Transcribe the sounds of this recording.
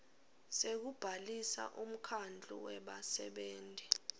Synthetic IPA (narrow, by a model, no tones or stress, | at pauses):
sek̬ub̥ʱalisa̰ʔum̩kʰand͡ɮʱṵwɛɓasɛɓeːnti